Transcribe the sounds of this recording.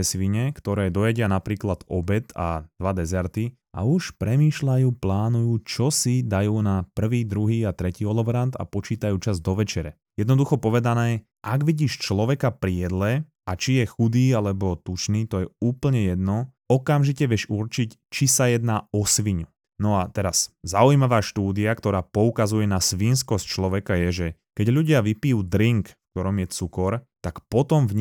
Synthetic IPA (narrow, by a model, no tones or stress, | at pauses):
ɛsʋiɲɛkt̪ɔɾɛːd̪ɔjɛɟɪanapɾiːklad̪ɔbɛt̪a̰d̪̥ʋad̪ɛzɛɾt̪i | a̰uʃpɾɛmiːʃlajuːplaːnujuːt͡ʃɔsid̪ajuːnapr̩ʋiːd̪ɾuɦiːat̪ɾɛciːɔlɔbɾant̪a̰pɔt͡ʃiːt̪ajuːt͡ʃazd̪ɔʋɛt͡ʃɛɾɛ | jɛd̪nɔd̪uxɔpɔʋɛd̪anɛː | ʔaɡʋiɟiːʃt͡ʃlɔʋɛkapɾijɛd̪lɛ | at͡ʃijɛxud̪iːalɛbɔt̪ut͡ʃniːt̪ɔjɛuːpl̩ɲɛjɛd̪nɔ | ɔkamʒicɛʋjɛʃurt͡ʃict͡ʃisajɛd̪naːɔsʋiɲu | nɔat̪ɛɾaszaujmaʋaːʃt̪uːd̪iakt̪ɔɾaːpɔukazujɛnasʋiːnskɔsct͡ʃlɔʋɛkajɛʒɛkɛɟʎuɟɪaʋipijuːd̪ɾiŋkfk̚t̪ɔɾɔmjɛt͡sukɔɾt̪akpɔt̪ɔmvɲ